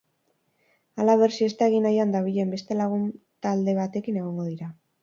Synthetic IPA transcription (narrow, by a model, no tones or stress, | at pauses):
alaβe̞ɾsie̞st̪aeɣ̞inajand̪aβ̞iʎe̞mbe̞st̪e̞laɣ̞un | t̪ald̪e̞β̞at̪e̞kine̞ɣ̞o̞ŋɡo̞ð̞iɾa